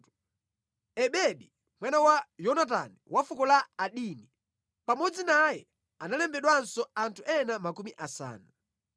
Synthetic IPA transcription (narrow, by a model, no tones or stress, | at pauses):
ɛɓɛɗi | mwɛnawajɔnat̬a̰niwafukɔlaːɗiːni | pamɔd͡zinajɛ | analɛmbɛɗwansɔantʰuʔɛnamakumiʔasa̰ːna